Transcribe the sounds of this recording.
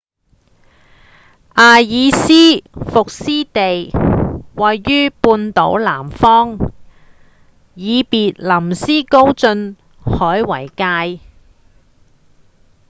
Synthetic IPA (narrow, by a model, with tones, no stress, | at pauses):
ʔaː˨˧jiː˨˧siː˥fʊ˨k̚siː˥t̪e˨j | wɐ˨jːyː˥puː˧nt̪o̰˨˥wlaː˨˩mfɔː˥ŋ | jiː˨˧piː˨t̚lɐ˨˩msiː˥ko˥wt͡sɵ˧n | hɔː˨˥jwɐ˨˩jkaː˧j